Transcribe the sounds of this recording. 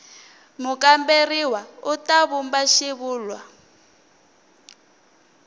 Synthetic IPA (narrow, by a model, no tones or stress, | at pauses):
mʊkʼamberiwautaβumbaʃiβuːlwa